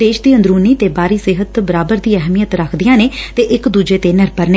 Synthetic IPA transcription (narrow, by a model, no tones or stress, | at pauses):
d̪eːʃd̪iːə̃nd̪ɾuːniːt̪eːbaːɾiːsɪɦət̪bəɾaːbəɾd̪iːɛɦmijət̪ɾəkʰd̪ɪjãːneːt̪eːʔɪkd̪uːd͡ʒeːt̪eːnɪɾpəɾneː